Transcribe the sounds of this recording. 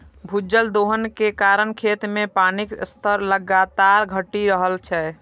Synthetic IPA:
bʱud͡ʒəld̪oɦənkekaɾənkʰet̪mepanikst̪ʰəɾləɡat̪aɾɡʱəʈiɾəɦəlt͡ʃʰɛ

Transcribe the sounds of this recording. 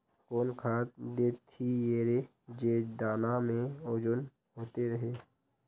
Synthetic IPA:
koːnkʰaːt̪d̪eːt̪ʰːijeːɾe | d͡ʒeːd̪aːnamẽod͡ʒʊn | ɦoːt̪eɾəɦeː

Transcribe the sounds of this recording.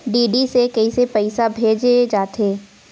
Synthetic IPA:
ɖiːɖisekɐisepɐɪsabʱeːd͡ʒed͡ʒaːt̪ʰeː

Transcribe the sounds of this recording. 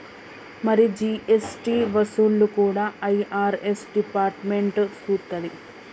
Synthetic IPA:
mɐɾid͡ʒiːʔesʈiːʋɐsuːlːukuːɽaːɐjaːɾesɖipaːɾʈme̞ɳʈsuːt̪ːɐd̪i

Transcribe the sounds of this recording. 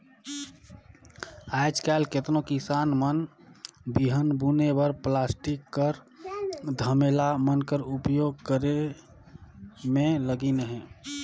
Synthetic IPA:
ajd͡ʒkalket̪nokisanmən | biɦənbunebəɾplasʈikːəɾ | d̪ʱəmelamənkəɾupjoɡ̚kəɾe | mẽləɡinəɦɛ̃

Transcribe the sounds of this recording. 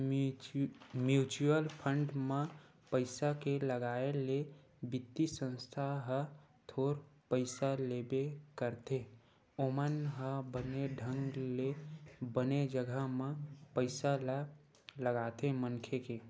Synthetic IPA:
mjut͡ʃuəlpʰə̃ɳɖmẽ | pəɪsakeləɡaele | bɪt̪ːisə̃nst̪ʰaɦə | t̪ʰoːɾpəɪsalebekəɾt̪e | omənɦəbəneɖʱə̃ŋɡlebəned͡ʒəɡʱəɦmepəɪsal | ləɡat̪emənkʰeke

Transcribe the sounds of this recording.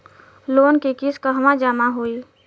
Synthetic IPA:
loːnkekiskaɦʋãd͡ʒaːmaɦoːi

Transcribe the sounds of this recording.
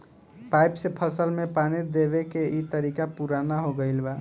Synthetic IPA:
pajpsẽpʰəsəlmepanid̪eβekeit̪əɾikapuɾanaɦoɡəɪlba

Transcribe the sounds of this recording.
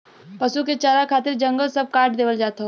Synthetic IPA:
pɐsuket͡ʃaːɾakʰaːt̪ɪɾd͡ʒɐ̃ŋɡəlsɐb̚kaːʈ̚d̪eːʋəld͡ʒaːt̪ɦo

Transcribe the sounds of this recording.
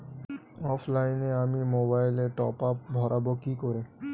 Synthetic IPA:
ɔpʰlajneamimobajleʈɔpapbʱɔɾʔabokikoɾe

